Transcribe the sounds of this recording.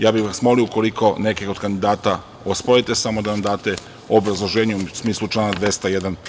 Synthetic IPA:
jaːbiʋasmo̞liouko̞liko̞ne̞kio̞d̪kand̪id̪aːt̪a | ospoit̪e̞samo̞d̪anamd̪aːt̪e | o̞bɾazlˠo̞ʒeːɲesmiːslˠut͡ʃlˠaːnad̪ʋe̞st̪ajed̪an

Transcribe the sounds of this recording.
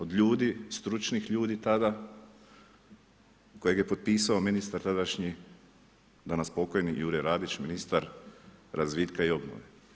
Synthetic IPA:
o̞d̪ʎuːd̪ist̪ɾut͡ʃnixʎuːd̪it̪ad̪a | ko̞jeɡje̞po̞d̪̚piːsaominist̪aɾt̪ad̪aʃɲi | d̪anaspo̞ko̞jnijuːɾeɾaːd̪it͡ʃminist̪aɾɾʔazʋid̪kaio̞bno̰ʋe

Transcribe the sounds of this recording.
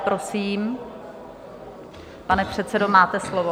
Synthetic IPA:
pɾo̞siːm | panɛpr̝̥ɛt̪sɛdo̞maːt̪ɛslovo

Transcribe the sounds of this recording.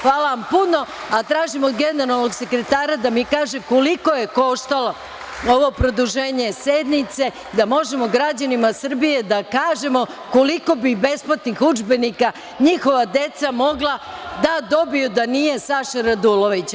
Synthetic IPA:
xʋaːlaʋampuno̞ | at̪ɾaːʒimo̞d̪ɡeneɾalˠnoɡse̞kɾe̞t̪aːɾad̪amikaːʒeko̞liko̞je̞ko̞ʃt̪alˠo | o̞ʋo̞pɾo̞d̪uʒe̞ːɲe̞sed̪nit̪se̞ | d̪amo̞ʒemoɡɾad͡ʑanimasr̩bije̞d̪akaːʒemo̞ | ko̞liko̞bibe̞splat̪nixud͡ʒbe̞nika | ɲixo̞ʋad̪e̞t̪samo̞ɡlˠad̪ad̪o̞bijud̪anije̞saʃaɾad̪ulˠo̞ʋit͡ɕ

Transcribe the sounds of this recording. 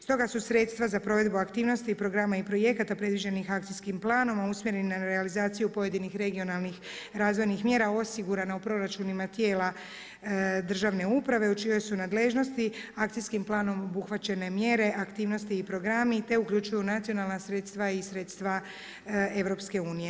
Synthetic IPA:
st̪o̞ɡasusɾe̞t̪st̪ʋazapɾo̞ʋe̞d̪buakt̪iːʋno̞st̪iːpɾo̞ɡɾamaipɾo̞je̞kat̪apɾe̞d̪ʋid͡ʑe̞nixakt̪siskimplˠaːno̞mausmje̞ɾeninaɾealizaːt̪sijupo̞je̞d̪inixɾe̞ɡio̞nalˠnix | ɾaːzʋo̞jnixmje̞ːɾao̞siɡuɾanaupɾo̞ɾat͡ʃunimat̪je̞ːla | d̪r̩ʒaʋne̞upɾaʋe̞ut͡ʃio̞jsunad̪le̞ʒno̞st̪iak̚t̪iskimplˠaːno̞mo̞buxʋat͡ɕe̞ne̞mje̞ɾe̞ʔakt̪iːʋno̞st̪iːpɾo̞ɡɾamit̪e̞ukʎut͡ʃujunat̪sio̞nalˠnasɾet̪st̪ʋaisɾe̞ːt̪st̪ʋa | e̞ʋɾo̞pske̞uːnije̞

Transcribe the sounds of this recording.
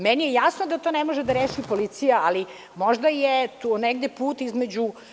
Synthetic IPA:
mɛnijejasnod̪at̪oːneɛmo̞ʒed̪aɾeːʃipolit̪sijaali | moʒd̪ajet̪uneɡ̚d̪epuːt̪izmed͡ʑu

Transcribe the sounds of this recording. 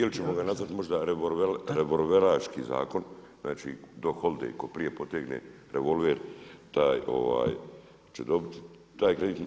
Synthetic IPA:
ilit͡ʃe̞mo̞ɡanazʋat̪mo̞ʒd̪aɾeoʋeɾeʋo̞lʋeɾaːʃkiza̰ːko̞n | znaːt͡ʃid̪o̞xo̞lˠd̪ḛjko̞pɾije̞po̞t̪eːɡnḛ | ɾe̞ʋo̞lˠʋeːɾt̪aːjo̞̰ʋa̰ːj | t͡ʃe̞d̪o̞bit̪i̥ | t̪aːjkɾe̞d̪iːt̪

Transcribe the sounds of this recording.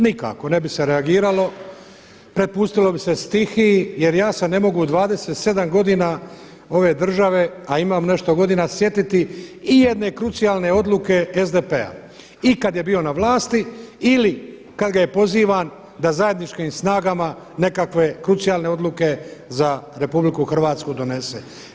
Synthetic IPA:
nika̰ko̞ne̞bise̞ɾe̞aɡiːɾalo̞ | pɾe̞pust̪ilo̞bise̞st̪ixije̞ɾjaːsene̞mo̞ɡud̪ʋaːd̪eseːt̪se̞d̪amɡo̞d̪ina | o̞ʋe̞ːd̪r̩ʒaʋe̞aimaːmne̞ʃt̪oɡo̞d̪iːnasje̞t̪it̪iije̞d̪ne̞kɾut̪sijaːlne̞o̞d̪lˠuke̞ezd̪epe̞a̰ | ikad̪je̞biːo̞naʋlˠaːst̪iili | kad̪ɡaje̞po̞ziːʋan | d̪azaje̞d̪nit͡ʃkiːmsnaːɡama | ne̞kakʋe̞kɾut̪sijaːlne̞o̞d̪lˠuke̞zaɾe̞publikuxr̩ʋaːt̪skud̪o̞ne̞sḛ

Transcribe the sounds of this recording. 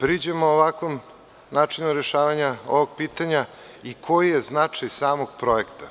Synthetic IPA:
pɾid͡ʑemooʋakʋom | naːt͡ʂinuɾeʃaːʋaɲao̰ʋoɡ̥̚piːt̪aɲa | ikʰo̞jijeznat͡ʂajsaːmo̞ɡ̥̚pɾo̞jekt̪ḁ

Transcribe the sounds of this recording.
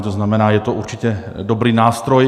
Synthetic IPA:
t̪oznamɛnaːjɛt̪oʔuɾt͡ʃicɛ | dobɾiːnaːst̪ɾoj

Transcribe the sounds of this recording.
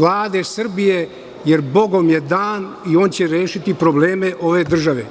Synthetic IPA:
lˠaːd̪esr̩bije | jeɾbo̞ɡo̞mjed̪aːn | io̞ːnt͡ɕeɾeːʃit̪ipɾo̞bleːmeʔo̞ʋe̞d̪r̩ʒaʋḛ

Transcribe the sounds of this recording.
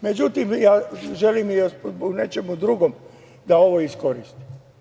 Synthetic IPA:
me̞d͡ʒut̪imjaːʒe̞limzboɡne̞t͡ʃe̞mud̪ɾuɡom | d̪ao̞ʋoisko̞ɾist̪i̥

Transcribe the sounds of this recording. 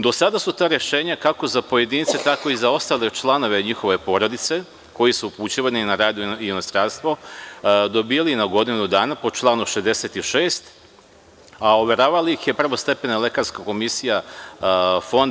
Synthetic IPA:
d̪o̞sad̪asut̪aːɾe̞ʃe̞ːɲakako̞zapo̞je̞d̪iːnit̪set̪ako̞izao̞st̪aːle̞t͡ʃlˠano̞ʋe̞ɲixo̞ʋe̞po̞ːɾod̪it̪se̞ | ko̞jisuuput͡ɕiʋaninaɾaːd̪uinost̪ɾaːnst̪ʋo̞ | d̪o̞bijalinaɡo̞d̪inud̪aːnapot͡ʃlˠaːnuʃezd̪eset̪iʃeːst̪ | aoʋe̞ɾaːʋalaixje̞pr̩ʋo̞st̪e̞pe̞nale̞kaɾskako̞misija | fo̞nd̪

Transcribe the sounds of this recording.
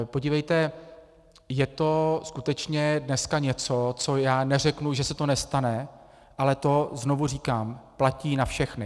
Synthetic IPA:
poɟiːvɛjt̪ɛ | jɛt̪o̞skut̪ɛt͡ʃɲɛdnɛskaɲɛt͡so̞t͡so̞jaːnɛr̝ɛknuʒɛsɛt̪o̞nɛst̪anɛ | ʔalɛt̪o̞znovur̝iːkaːmplaciːnafʃɛxnɪ

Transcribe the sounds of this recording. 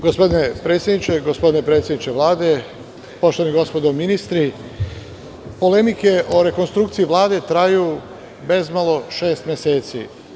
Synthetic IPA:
ɡospo̞d̪inepɾeːt̪sʲjed̪nit͡ʃeɡospo̞d̪inepɾet̪sjed̪it͡ʃeʋlˠaːd̪e̞ | po̞ʃt̪oaniɡo̞spod̪ominist̪ɾi | po̞le̞mike̞ʔo̞ɾeko̞nst̪ɾuːkt̪siiʋlˠaːd̪e̞t̪ɾaju | be̞zmalˠo̞ʃe̞ːst̪mʲjese̞ːt̪sḭ

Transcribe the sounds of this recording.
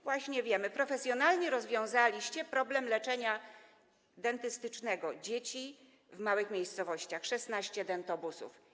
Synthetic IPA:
vwaɕɲɛvʲjɛmɘpɾɔfɛsʲjɔnalɲɛɾɔzvʲjɔ̃w̃zalʲiɕt͡ɕɛpɾɔblɛmlɛt͡ʂɛɲa | d̪ɛnt̪ɘst̪ɘt͡ʂnɛɡɔd͡ʑet͡ɕi | vmawɘxmʲejst̪sɔvɔɕt͡ɕaxʂɛsnaɕt͡ɕɛd̪ɛnt̪ɔbusṵf

